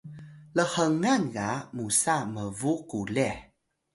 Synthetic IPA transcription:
ləhəŋanɡamusaməvukule

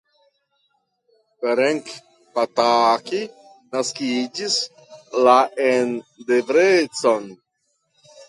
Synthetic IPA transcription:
feɾeŋk | pataki | naskid͡ʒis | laʔendevɾet͡so̞n

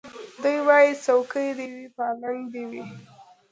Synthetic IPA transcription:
d̪ujwɑjisawkəjd̪ewipɑlaŋɡd̪iwi

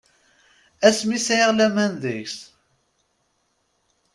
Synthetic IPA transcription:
æsmisʕiʁlæmænðəçs

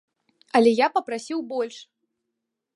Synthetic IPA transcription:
ɐlʲɛjapɐpɾasʲiwbɔlʲʂ

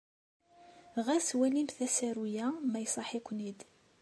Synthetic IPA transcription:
ʁæswælimθæsæɾujæmæjsˤɑħikʷːnid̪

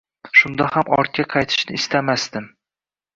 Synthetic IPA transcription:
ʃʊnd̪ahamɒ̰ɾt̪̚kʲʰaqʰɑjt̪ʰɪ̥ʃnɪɪst̪amasd̪ɪm

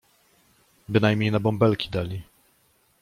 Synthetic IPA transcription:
bɘnajmʲɲejnabɔmbɛlkʲʰi̥d̪alʲi

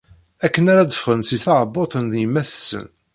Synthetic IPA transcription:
ækːənæɾad̪əfʁənsiθɑʁbːot̪ˤənðjəmːæθəsːə̰n

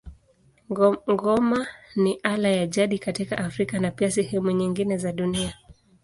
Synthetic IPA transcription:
ŋɡɔmaniʔalajaʄaɗikatikaʔːfɾikanapiasɛhɛmuɲiŋɡinɛzaɗunia

